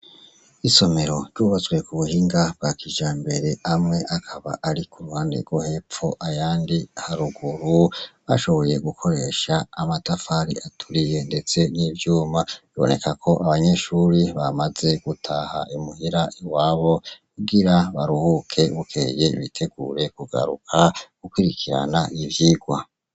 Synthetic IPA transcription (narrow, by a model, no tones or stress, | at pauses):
iso̞me̞ɾo̞ɾɟuβazɡwe̞kuβuhiːŋɡab̥ɡakiʒaːmbe̞ɾe̞amŋe̞ʔakʰaβa̰ʔaɾikʰuɾuhaːndḛɡwohe̞pp͡fo̞ʔajaːndihaɾuɡuɾuβaʃo̞βo̞je̞ɡukʰo̞ɾe̞ʃaːmatafaɾḭatʰuɾije̞nde̞t͡se̞nivjuːmaiβo̞̰ne̞kakʰo̞ʔaβaɲe̞ʃuɾiβamaze̞ɡ̥utʰaha̰ʔimuhiɾaiwaːβo̞kuɡiɾaβaɾuhukʰe̞βukʰe̞ːje̞βitʰe̞ɡuːɾe̞kuɡa̰ɾṵkʰaɡukwiɾikʰiɾa̰naʔivjiːɡwa